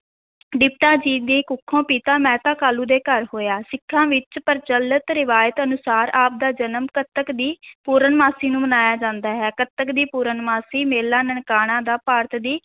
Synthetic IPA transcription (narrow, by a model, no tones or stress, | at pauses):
ɖɪpʈaːd͡ʒiːd̪iːkʊkʰːõːpiːt̪ãːmɛ̃ːt̪ãːkaːluːd̪eːkəɾɦoːjaːsɪkʰːãːʋɪt͡ʃpəɾt͡ʃələt̪ɾɪʋaːjət̪ənʊsaːɾaːp̚d̪aːd͡ʒənəmkət̪ːəkd̪iːpuːɾəɳmaːsiːnũːmənaːjaːd͡ʒãːnd̪aːɦɛːkət̪ːəkd̪iːpuːɾəɳmaːsiːmeːlːaːnəɳkaːɽ̃ãːd̪aːpaːɾt̪d̪iː